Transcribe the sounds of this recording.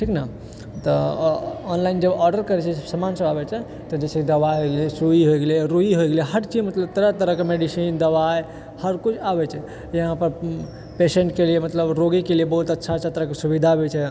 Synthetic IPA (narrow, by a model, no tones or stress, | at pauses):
ʈʰikna | t̪ɔ | ɔnlaind͡ʒəbɔɾɖəɾkəɾɛt͡ʃʰɛsəmansəbabɛt͡ʃʰɛ | t̪ɔd͡ʒet͡ʃʰekid̪əbajɦoɡelesuiɦojɡelɾuiɦojɡelieɦəʈt͡ʃimət̪ləb̚t̪əɾət̪əɾəkemeɖisind̪əβaj | həɾkut͡ʃʰabɛt͡ʃʰɛ | jəɦãpəɾ | peseɳʈkeliemət̪ləbɾoɡikeliebəɦut̪ətːʃʰat͡ʃʰət̪ɾəkesubid̪ʱabɛt͡ʃʰɛ